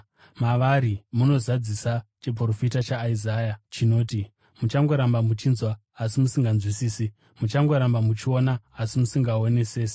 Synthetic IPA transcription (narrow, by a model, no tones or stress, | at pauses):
maʋaɾimuno̞zad͡zisat͡ʃe̞p̬ro̞fitat͡ʃaːizaːjat͡ʃino̞ːti | mut͡ʃaŋɡo̞ɾambamut͡ʃinzwaː | simusiŋɡanzwisiːsi | mut͡ʃaŋɡo̞ɾambamut͡ʃio̞naːsimusiŋɡaone̞seːse̥